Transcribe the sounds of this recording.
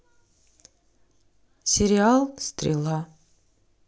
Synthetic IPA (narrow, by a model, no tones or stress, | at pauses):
sʲɪɾʲɪɑlˠst̪ɾʲɪ̰lˠɑ